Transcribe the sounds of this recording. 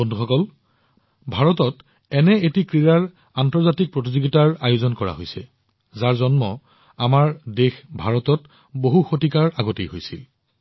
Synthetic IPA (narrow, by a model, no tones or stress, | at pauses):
bondʱuxɔkɔl | bʱaɹɔtɔt | ɛnɛetikɹiɹaɹ | antɔɹzatik̚pɹotizoɡitaɹajozɔnkɔɹa̰ɦojsɛ̰ | zaɹzɔnmɔ | amaɹdexbʱaɹɔtɔt | boɦuxotikaɹaɡotejɦojsḭl